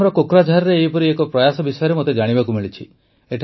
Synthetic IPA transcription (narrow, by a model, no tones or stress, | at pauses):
ɾɔkokɾad͡ʒʱaɾɔɾeːɦipɔɾiekɔpɾɔjasɔbisɔjɔɾemot̪ed͡ʒaɽ̃ibakumiɭit͡ʃʰi | eʈʰ